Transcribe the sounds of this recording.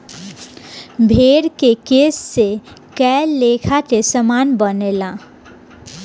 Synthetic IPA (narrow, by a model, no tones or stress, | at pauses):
bʱeːɾkekeːsːe | kɛlːekʰat̪esəmanbənelã